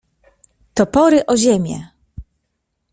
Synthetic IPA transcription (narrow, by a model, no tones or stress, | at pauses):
t̪ɔpɔɾɘʔɔʑemʲjɛ̰